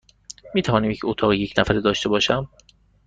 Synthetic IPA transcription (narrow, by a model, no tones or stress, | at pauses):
miːt̪ʰævɒːniːmecʰot̪ʰɒːɣijecʰnæfæɾid̪ɒːʃt̪e̞bɒːʃæm